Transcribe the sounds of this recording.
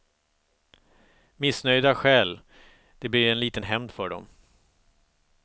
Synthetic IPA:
mɪsnœjd̪aɧɛːl | d̪̥ɛblɪɾɛnliːt̪ənɦɛmd̪fœɖɔ̰m

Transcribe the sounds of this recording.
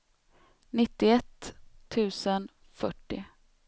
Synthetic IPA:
nɪt̪ːɪɛt̪ʰːʉ̟ːsən | fœʈːɪ̰

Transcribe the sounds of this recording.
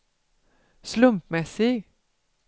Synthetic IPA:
slɵmpmɛsɪɡ

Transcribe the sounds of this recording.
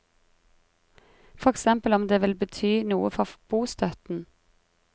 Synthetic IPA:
fɔʁɛksɛmpəlɔmd̪eːʋɪlbət̪ʰyːnuːəfɔʁb̥uːst̪ʰœt̪n̩

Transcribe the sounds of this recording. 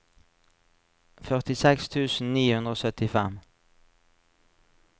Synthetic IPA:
fœʁt̪ɪsɛkst̪ʰʉːsn̩niːhʉnd̪ʁəoːsœt̪ɪfɛm

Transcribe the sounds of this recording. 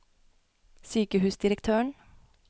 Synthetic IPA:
syːkəhʉːsd̪ɪɾəkt̪ʰøːəɳ

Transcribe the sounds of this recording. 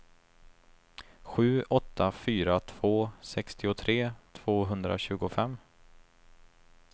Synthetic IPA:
ɧʉ̟ːʔɔt̪ʰːafyːɾat̪ʰv̥oːsɛkst̪ɪʊt̪ʰɾeːt̪ʰv̥oːɦɵnd̪ɾa̰ɕʉ̟ːɡʊfɛmː

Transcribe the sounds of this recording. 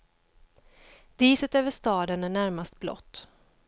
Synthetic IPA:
d̪̥iːsət̪øːvəʂt̪ɑːd̪ənæɳæɾmast̪̚blɔ̰t̪ː

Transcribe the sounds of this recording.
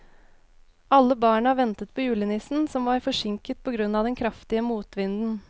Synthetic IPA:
ʔɑlːəbɑːɳəɑʋɛnt̪ət̪̚pʰoːjʉːlənɪsn̩sɔmʋɑɾfɔʂɪŋkət̪̚pʰɔɡɾʉnːɑːʋd̪ɛnkʰɾɑft̪ɪəmuːt̪ʋɪnd̪n̩

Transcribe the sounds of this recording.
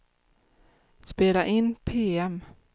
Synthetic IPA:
speːlaʔɪnːpʰeːɛm

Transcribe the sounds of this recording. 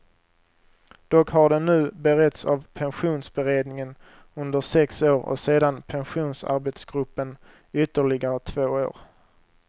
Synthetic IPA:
d̪̥ɔkɦaɖɛnːʉ̟ːbɛɾɛt̪savpʰɛnɧuːnsbɛɾeːd̪nɪŋən | ɵnd̪əʂɛksoːɾɔ̰seːd̪anpʰɛnɧuːnsa̰ɾbɛt̪sɡɾɵpːən | ʏt̪ːəɭɪɡaɾət̪ʰvoːo̰ːɾ

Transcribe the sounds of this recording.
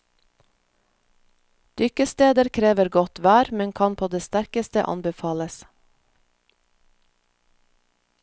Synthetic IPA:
d̪̥ʏkəst̪eːd̪əɾkʰɾeːʋəɾɡɔt̪ʋæːɾmɛŋkʰɑnpʰoːd̪eːst̪æɾkəst̪əʔɑ̰nbɛfɑːləs

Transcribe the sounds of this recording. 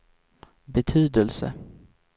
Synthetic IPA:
bɛt̪ʰyːd̪əlsə̰

